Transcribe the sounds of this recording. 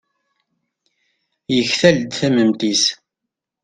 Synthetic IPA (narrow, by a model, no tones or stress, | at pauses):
jəçθæld̪θæməmt̪is